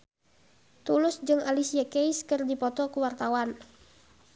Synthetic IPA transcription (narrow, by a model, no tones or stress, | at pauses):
t̪ulʊsd͡ʒɨŋalisiakeiskɨrdipɔt̪ɔkuwart̪awan